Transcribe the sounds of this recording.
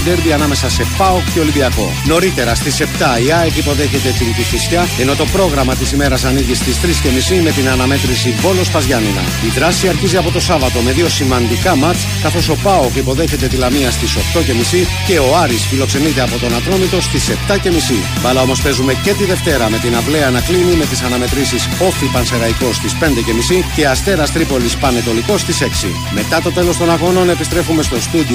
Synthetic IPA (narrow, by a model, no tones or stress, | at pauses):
d̪eɾd̪iɐnɐme̞sɐse̞pɐokceo̞limbiɐko̞̰no̞ɾit̪e̞ɾɐst̪ise̞pt̪ɐiɐexipo̞ðe̞çe̞t̪e̞t̪int̪iθisçɐe̞no̞t̪o̞pɾo̞ɣɾɐmɐt̪isime̞ɾɐsɐniʝist̪ist̪ɾisce̞misime̞t̪inɐnɐme̞t̪ɾisivo̞lo̞spɐzʝɐninɐ̰ | iðɾɐsiɐɾçiziɐpo̞t̪o̞sɐvɐt̪o̞me̞ðio̞simɐnd̪ikɐmɐt͡s | kɐθo̞so̞pɐokipo̞ðe̞çe̞t̪e̞t̪ilɐmiɐst̪iso̞xt̪o̞ce̞misi | ce̞o̞ɐɾisfilo̞kse̞nit̪e̞ɐpo̞t̪o̞nɐt̪ɾo̞mit̪o̞st̪ise̞pt̪ɐce̞misi | vɐlɐo̞mo̞spe̞zume̞cet̪iðe̞ft̪e̞ɾɐme̞t̪inɐpleɐːnɐklinime̞t̪isɐnɐme̞t̪ɾisiso̞fipɐnse̞ɾɐiko̞st̪ispe̞nd̪e̞ce̞misice̞ɐst̪e̞ɾɐst̪ɾipo̞lispɐne̞t̪o̞liko̞st̪ise̞ksḭ | me̞t̪ɐt̪o̞t̪e̞lo̞st̪o̞nɐɣo̞no̞ne̞pist̪ɾe̞fume̞st̪o̞st̪ud̪i